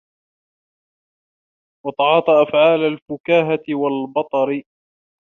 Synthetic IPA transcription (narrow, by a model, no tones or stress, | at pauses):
wɑt̪ˤɑʕɑːt̪ˤɑʔafʕaːlalfʊkaːɦaɪwalbɑt̪ˤɑɾɪ